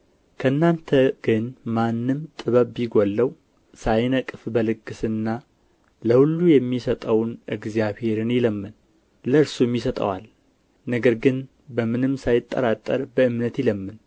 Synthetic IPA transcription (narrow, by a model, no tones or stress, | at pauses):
kʰəɨnːant̪ʰəɡ̥ɨnmanːɨmt̪ʼɨβəβiɡolːəw | sajnəkʼɨfbəlɨkʼːɨsɨnːa | ləhulːujɛmːisət̪ʼəwnʔɨɡzjaβhe̞ɾɨnjɪləmːɨn | ləɨɾsumjisət̪ʼə̰wa̰l | nəɡəɾɡɨn | bəmɨnɨmsajɪt̪ʼːə̰ɾat̪ʼːə̰ɾbəɨmnət̪jɪləmːɨn